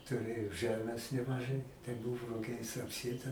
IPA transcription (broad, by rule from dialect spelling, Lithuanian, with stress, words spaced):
tʊˈrʲeːjoː ˈʒɜmʲeːs nʲɛmɐˈʒɐɪ tɐɪ ˈbʊʋoː rʊˈɡʲɛɪs ɐpʲˈsʲeːtɐ